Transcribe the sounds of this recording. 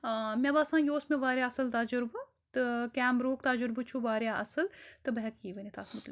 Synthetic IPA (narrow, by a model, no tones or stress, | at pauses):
mʲɐbaːsãːjoːsmẽʋaːɾjaːɐsɨlt̪aːd͡ʒʊɾbɐ | t̪ɨkʲaːmɾoːkt̪aːd͡ʒʊɾbɨt͡ʃʰuʋaːɾjaːʔɐsɨlt̪ɨbɐɦɛkjiːʋɐnit̪ʰaːt̪mɐt̪l